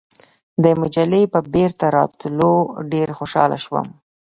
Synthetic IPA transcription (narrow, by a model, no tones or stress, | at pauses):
d̪əmʊd͡ʒalepəbeɾt̪aɾɑt̪loɖeɾxoʃɑ̰la̰ʃwə̰m